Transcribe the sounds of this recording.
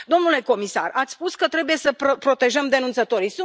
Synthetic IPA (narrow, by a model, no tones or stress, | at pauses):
d̪o̞mnule̞ko̞misa̰rat̪sʲspuskət̪ɾe̞buje̞səppɾo̞t̪e̞ʒəmd̪e̞nunt̪sət̪o̞ɾisu